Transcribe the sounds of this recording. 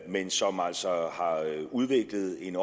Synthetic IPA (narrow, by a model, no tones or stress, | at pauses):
mensɒ̽mæl̰sɒhɑ̈uð̞ˠʋe̝ɡ̥ləð̞̩ˠe̝nɒ